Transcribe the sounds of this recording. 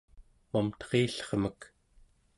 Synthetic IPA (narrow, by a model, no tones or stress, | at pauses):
momt̪ʌ̥ʁeːɬʌ̥χmək